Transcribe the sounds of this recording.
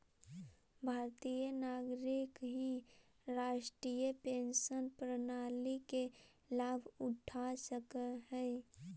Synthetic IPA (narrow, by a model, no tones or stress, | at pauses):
bʱaːɾt̪ijənaːɡɾɪkɦĩ | ɾaːʃʈɾijəpeːnsənpɾənaːlike | laːbʱʊʈʰasəkəɦɛː